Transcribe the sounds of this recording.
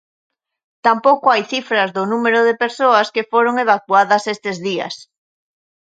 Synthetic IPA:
t̪ampowkʊajθifɾɐzðʊnumeɾʊðepeɾsoɐskefoɾoŋeβ̞akuaðɐsest̪ezðiɐ̰s

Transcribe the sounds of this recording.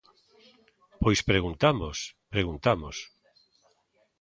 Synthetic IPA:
pojspɾeɣunt̪amospɾeɣunt̪amos

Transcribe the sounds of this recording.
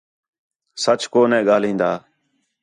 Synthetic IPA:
sət͡ʃkoːnɛ̃ːɠaːlĩːnd̪aː

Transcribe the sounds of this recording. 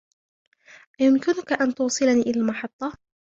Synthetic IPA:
ʔajʊmkɪnʊkaʔant̪ʊːsˤɨlaniːʔɪlaːlmɑħɑt̪ˤːɑ

